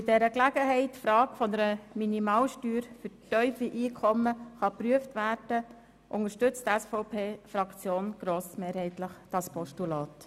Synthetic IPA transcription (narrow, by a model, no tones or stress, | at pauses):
ɪdɛɾəklæɡ̥əɦɛɪtfɾɑːkfɔnəɾəminimɑːlʃtyːɾfʏɾtœʏfiʔiːkʰɔməχɑpɾyəftʋæːɾd̥ə | ʔʊŋəʃtɵt͡stɛsfɔʊpʰeːfɾɑkt͡sjoːnɡ̥ɾoːsmeːɾhɛɪtləχd̥ɑspɔʃtulɑːt